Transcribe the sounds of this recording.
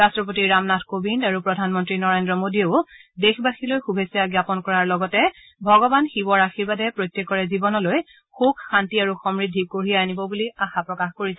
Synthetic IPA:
ɹastɹɔp̬otiɹamnatʰkobindaɹupɹɔdʱanmɔntɹinɔɹendɹɔmodieʊdexbaxilojxubʱesjaɡjapɔnkɔɹaɹlɔɡɔtɛ | bʱɔɡɔbanxibɔɹaxiɹbadɛpɹojtːɛkːɔɹɛzibɔnɔloj | xukxantiaɹuxɔmɹidʱːikoɹijaːnibɔbuliaxapɹɔkaxkoɹisɛ

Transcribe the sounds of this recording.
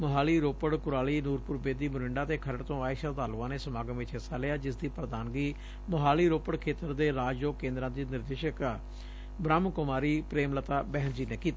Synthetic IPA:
məɦaːliːɾoːpəɽkʊɾaːliːnuːɾpʊɾbeːd̪iːmʊɾɪɳɖaːt̪eːkʰəɾəɽt̪õːaːɪʃəat̪aːlʊãːneːsəmaːɡəmʋɪt͡ʃɦɪsaːlɪaːd͡ʒɪsd̪iːpɾəd̪aːnɡiː | məɦaːliːɾoːpəɽkʰeːt̪əɾd̪eːɾaːd͡ʒjoːkːẽːnd̪ɾãːd̪iːnɪɾd̪eːʃək | bɾaːmkʊmaːɾiːpɾeːmlət̪aːbɛːɦnd͡ʒiːneːkiːt̪aː

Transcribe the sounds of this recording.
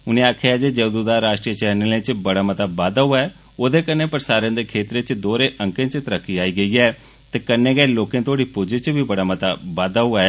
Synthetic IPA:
ʊnẽːaːkʰeaːd͡ʒeːd͡ʒəd̪ud̪aːɾaːʃʈɾijət͡ʃɛːnelẽːt͡ʃbəɽaːmət̪aːbaːd̪aːɦʊaɛː | oːd̪eːkənːeːpəɾsaːɾẽːd̪eːkʰeːt̪ɾeːt͡ʃd̪oːɾeːʔə̃ŋkẽːt͡ʃt̪əɾəkʰːiːaːiːɡəiːɛː | t̪eːkənːeːɡɛeloːkẽːt̪ʰoːɽiːpʊd͡ʒet͡ʃbʱiːbəɽaːmət̪aːbaːd̪aːɦʊaːɛː

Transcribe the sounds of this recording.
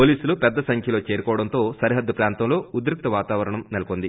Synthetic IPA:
po̞ːliːsulupɛd̪ːɐsɐŋkʰjɐlo̞ːt͡ʃe̞ːɾukɔːʋɐɽɐnt̪o̞ːsɐɾiɦɐd̪ːupɾaːnt̪ɐmlo̞ːud̪ɾuk̚t̪ɐʋaːt̪aːʋɐɾɐɳɐmnelɐkond̪i

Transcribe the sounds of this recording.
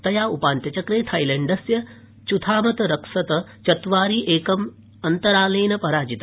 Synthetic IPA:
t̪ɐjaːupaːnt̪ɐt͡ʃɐkɾeːt̪ʰɐjleɳɖɐsjɐ | t͡ʃut̪ʰaːmɐt̪ɐɾɐksɐt̪ɐt͡ʃɐt̪ʋaːɾiːʔeːkɐm | ɐnt̪ɐɾaːlɐːnɐpɐɾaːd͡ʒit̪ɐ

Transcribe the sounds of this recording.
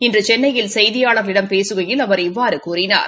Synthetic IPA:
ɪndrɯt͡ʃɛnːɐjɪlsɐjðɪjaːɭɐɾɣɐɭɪɽɐmpeːsɯɣɐjɪlɐʋɐɾɪʋːaːɾɯkuːrɪna̰ːɾ

